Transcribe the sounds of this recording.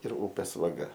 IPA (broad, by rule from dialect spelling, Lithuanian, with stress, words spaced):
ɪr ˈuːpʲeːs ʋɐˈɡɐ